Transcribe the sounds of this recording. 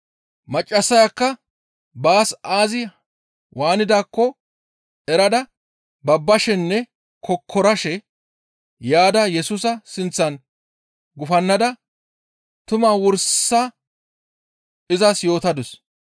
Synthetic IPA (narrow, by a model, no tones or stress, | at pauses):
mɐt͡ʃʼːɐsːɐjakːɐ | baːsaːzɪ | waːnɪd̪aːkːɔ | ɛɾɐd̪ɐ | bɐbːɐʃɛnːɛ | kʰɔkʰːɔɾɐʃɛ | jaːd̪ɐjɛsʊs̬ɐsɪnt͡sːɐn | ɡʊfɐnːɐd̪ɐ | t̪ʊmaːwɔɾsːa | ɪzɐsjo̞ːt̪ɐd̪ʊs